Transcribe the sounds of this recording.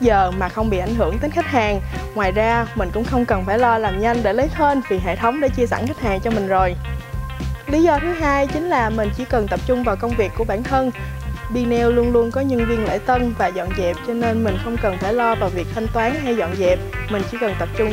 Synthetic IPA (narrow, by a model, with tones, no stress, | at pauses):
zəː˨˩maː˨˩xə˧wŋ͡mɓḭ˧˨ʔa˧˩jŋ̟ɦɨ̰˧˩əŋt̪e˨˦nxa˦˥k̚haː˨˩ŋŋwaː˨˩jzaː˧mï˨˩ŋ̟kʊ̰˧˥ŋ͡mxə˧wŋ͡mkə˨˩nfaː˧˩jlɔ˧laː˨˩mɲa˧jŋ̟ɗe˧˩lə˨˦jt̪ʰe˧nvi˨˩ɦḛ˧˨t̪ʰə˨˦wŋ͡mɗḛ˧˩t͡ɕi˧əsa̰˧˩nxk̚haː˨˩ŋt͡ɕɔ˧mï˨˩ŋ̟zo˨˩j | li˨˦zɔ˧t̪ʰɨ˨˦ɦaː˧jt͡ɕï˨˦ŋ̟laː˨˩mï˨˩ŋ̟t͡ɕḭ˧˩kə˨˩nt̪ə˨˩p̚t͡ɕʊ˧ŋ͡mvaː˨˩wkə˧wŋ͡mvi˨˩əkːu˧˩əɓaː˧˩nt̪ʰə˧n | ɓi˧nɛ˧wlu˧ənlu˧ənkɔ˨˦ɲə˧nvi˧ənlḛː˧˥t̪ə˧nvaː˨˩zɔ̰˧˨nzɛ˨˩p̚t͡ɕɔ˧ne˧nmï˨˩ŋ̟xə˧wŋ͡mkə˨˩nfaː˧˩jlɔ˧vaː˨˩wvi˨˩ək̚t̪ʰa˧jŋ̟t̪waː˨˦nha˧jzɔ̰˧˨nzɛ˨˩p̚ | mï˨˩ŋ̟t͡ɕḭ˧˥kə˨˩nt̪ə˨˩p̚t͡ɕʊ˧ŋ͡m